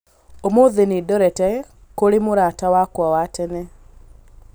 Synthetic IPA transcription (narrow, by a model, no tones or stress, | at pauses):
omoðenidɔɾɛtɛ | koɾemʊɾatawakwawatɛnɛ